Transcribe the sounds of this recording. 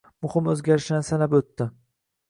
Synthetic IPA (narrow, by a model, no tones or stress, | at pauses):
mʊhɪmɵzɡʲaɾɪʃd̪ansanapɵt̪ːɪ